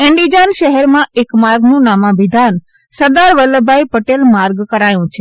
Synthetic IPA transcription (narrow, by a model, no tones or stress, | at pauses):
ɛɳɖid͡ʒanʃəɦɛɾmãʔekmaɾɡnũnamãʋid̪ʱan | səɾd̪aɾʋəlːəbʱajpəʈelmaɾɡkəɾajũt͡ʃʰe